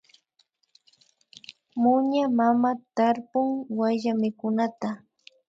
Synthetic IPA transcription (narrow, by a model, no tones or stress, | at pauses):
mʊɲamamat̪aɾpʊŋwaʎamɪkʊnat̪a